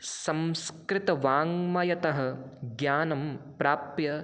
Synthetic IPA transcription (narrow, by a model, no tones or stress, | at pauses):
sɐmskɾɪt̪ɐʋaːŋmɐjɐt̪ɐɦɐ̆ɡjaːnɐmpɾaːpjɐ